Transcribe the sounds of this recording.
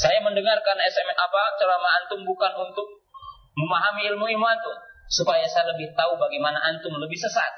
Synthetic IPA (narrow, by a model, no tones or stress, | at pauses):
sajaməndəŋarkanɛsɛmapat͡ʃəlamaːnt̪ʊŋbukanunt̪ʊk̚ | məmaɦamiːlmuimuant̪ʊŋsupajasajaləbɪht̪aubaɡamanaʔant̪ʊŋləbɪhsəsa̰t̪̚